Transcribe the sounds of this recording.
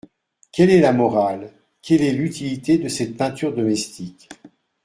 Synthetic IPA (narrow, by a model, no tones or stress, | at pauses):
kʲɛlɛlamɔʁal | kʲɛlɛlyt̪ilit̪ed̪əsɛt̪̚pɛ̃t̪yʁd̪ɔmɛst̪ikʲ